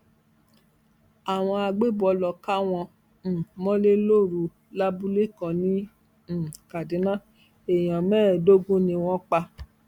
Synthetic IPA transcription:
a˨w̃ɔ̃˧a˧ɡ͡be˦˨bɔ˧lɔ˨ka˦w̃ɔ̃˧˨ | mɔ̃˦le˦lo˦˨ɾu˧ | la˦bu˦le˦kɔ̃˧nĩ˦˨ | ka˨dĩ˨˦nã˦ | e˨j̃ã˨mɛː˦˨do˦ɡũ˦nĩ˧w̃ɔ̃˦k͡pa˧

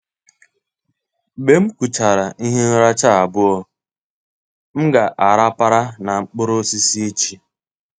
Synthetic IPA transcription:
be˨m̩˦ku˨t͡ʃa˨ɾa˨i˦ɦe˦n̩˦ɾa˦t͡ʃa˦a˨bʊ˦ɔ˦ | m̩˦ɡa˨ʔa˨ɾa˦pa˦ɾa˦na˨ŋ͡m̩˨k͡pʊ˦ɾo˦si˦si˦i˦t͡ʃi˦

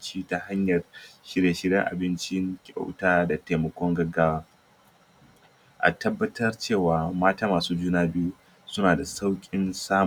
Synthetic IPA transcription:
t͡ʃi˦ta˨ɦa˦ɲjɐ˨rʃɪ˦ɽe˨ʃɪ˦ɽɪ˦ŋʔa̰˨bɪ˦nt͡ʃɪ˦ŋkʲʼa̰˦wtaː˦da˨teː˨mɐ˨kʷɔ˦ŋɡɐ˦ɡaː˦waː˦ | ʔa̰˨tɐ˦bːɐ˦tʰɐ˦rt͡ʃeː˦˨waː˨maː˦taː˦maː˨suː˦d͡ʒuː˦naː˦bɪ˦ju˦ | sʊ˦naː˨da˨sa˦wkʲʼɪ˦nsaː˦

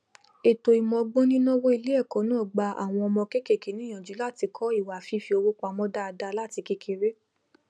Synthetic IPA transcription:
e˨to˨i˨mɔ̃˧ɡ͡bõ˦nĩ˦nɔ̃˦wo˦i˧li˦ɛ˦˨kɔ̃˨˦nã˨˦ɔ˦˨ɡ͡ba˧˦a̰˨w̃ɔ̃˧ɔ˧mɔ̃˧ke˦ke˦˨ke˨˦nĩ˦˨j̃ã˨d͡ʒu˨˦la˦˨ti˧kʰɔ˦i˦˨wa˨fi˨˦fi˧o˧wo˦kʷa˧mɔ̃˧˦da˦a˧da˧la˦˨ti˧ke˦kʰe˧ɾe˦

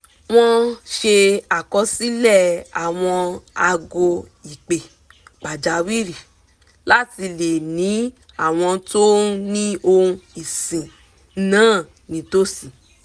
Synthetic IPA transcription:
w̃ɔ̃˦ʃe˧a˨kɔ˧˦si˦lɛ˦˨a˨w̃ɔ̃˧a˧ɡo˧ | i˨k͡pe˨ | k͡pa˨d͡ʒa˨˦wi˦ɾi˨ | la˦ti˧le˨nĩ˨˦ | a˦˨w̃ɔ̃˧to˦nĩ˦o˧ũ˧˦i˨sĩ˨˦ | nãː˦˨ | nĩ˨˦to˦sĩ˨

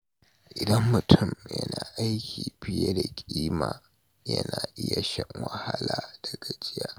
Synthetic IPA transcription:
ʔɪ˨dɐ˦mːʊ˨tʰʊ˦˨mjɐ˦naː˨ʔa˦jkʲʰiː˨ɸɪ˦je˦da˨kʲʼiː˦maː˨ | jɐ̰˦naː˨ʔɪ˦ja˨ʃɛ˦ŋwɐ˦ha˦laː˨d̥ɐ˨ɡa˨d͡ʒʼɪ˦jaː˦

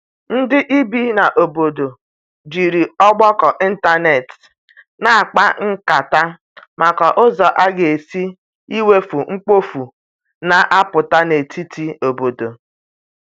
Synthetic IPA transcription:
n̩˦dɪ˦ʔi˦bi˦na˨ʔo˨bo˨do˨ | d͡ʒi˨ɾi˨ɔ˦ɡ͡bɔ˦kɔ˨ʔi˦n̩˦ta˦ne˨t | na˨a˨k͡pa˦ŋ̩˦ka˨ta˦ | ma˨kɔ˨ʔʊ˦zɔ˨ʔa˦ɡe˨e˨si˦ | i˦we˦fu˨ŋ̩˦k͡po˦fu˨ | na˨ʔa˦pʊ˨ta˦ne˨ti˦tʰi˦o˨bo˨do˨

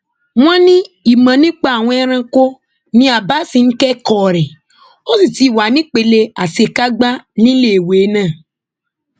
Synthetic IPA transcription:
m̃ã˦nĩ˦i˨mã˨nĩ˦k͡pa˦a˨w̃ɔ̃˧˦ɛ˦ɾ̃ã˧ko˦ | nĩ˦a˨ba˦sĩ˨n̩˦kɛ˦kɔ˨ɾɛ˨ | o˦si˨ti˦˨wa˨˦nĩ˦k͡pe˨le˧a˨se˨ka˦ɡ͡ba˦nĩ˦le˦˨we˨˦nãː˦˨

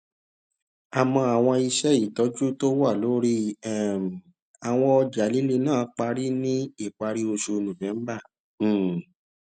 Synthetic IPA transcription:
a˨mɔ̃˧a˨w̃ɔ̃˧i˧ʃɛ˦i˦˨tɔ˨˦d͡ʒu˦to˦wa˦˨lo˨˦ɾi˦ɛ˦˨m˨ | a˨w̃ɔ̃˧ɔ˧d͡ʒa˨˦li˨˦le˧nãː˦˨˦k͡pa˧ɾi˦nĩ˦i˦˨k͡pa˧ɾi˦o˧ʃu˧nũ˨bɛ̃˨˦m̩˦bã˦˨

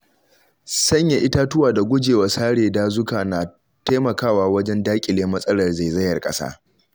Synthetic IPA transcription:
sɐ˦ɲja˨ʔɪ˦ta˦tʊ˦waː˨da˨ɡʷʊ˦d͡ʒeː˨wa˨saː˦ɽeː˨daː˦zʊ˦kaː˨na˨ | ta˦mɐ˨kaː˦waː˨wɐ˦d͡ʒɛ˦ndaː˦kʲʼɪ˨leː˦mɐ˦sʼɐ˦lɐ˨rza˨zɐ˦jɐ˨rkʼɐ̰˦sa̰ː˦

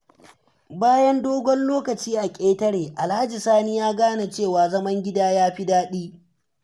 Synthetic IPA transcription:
baː˦jɐ˦ndoː˦ɡʷɔ˦nloː˦kɐ˨t͡ʃiː˦ʔa˨kʲʼeː˦tɐ˦ɽeː˨ʔa˨lha˦d͡ʒi˨saː˦niː˦jaː˦ɡaː˦na˨t͡ʃeː˦˨waː˨zɐ˦mɐ˦ŋɡʲɪ˦daː˦jaː˦ɸi˦daː˦ɗiː˦

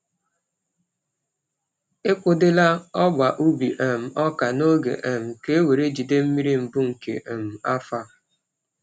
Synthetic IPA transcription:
e˦kʷʊ˨dɪ˦la˦ɔ˦ɡ͡ba˨ʔu˦bi˨ʔe˨m̩˨ɔ˦ka˨no˦ɡḛ˨ʔe˨m̩˨ke˦we˨ɾe˦d͡ʒi˨de˦m̩˦mi˦ɾi˦m̩˨bʊ˦ŋ̩˨kḛ˨ʔe˨m̩˨a˦fa˦

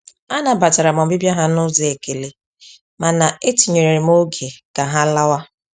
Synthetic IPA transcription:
a˦na˨ba˨ta˨ɾa˨m˨ɔ˨m̩˨bi˦bja˦ɦa˦nʊ˦zi˨e˨ke˨le˨ | ma˨na˨e˦ti˨ɲe˨ɾe˨ɾe˨m˦o˦ɡe˨ɡ̥a˨ɦa˦la˦wa˦

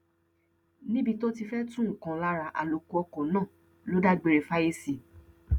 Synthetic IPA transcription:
nĩ˦bi˧to˦ti˧fɛ˦tũ˦ŋ̩˨kã˨la˦ɾa˨ʔa̰˨lo˨ku˧ɔ˧kɔ̃˨nãː˦˨ | lo˨˦da˦ɡ͡be˧ɾe˨fa˦je˦si˨

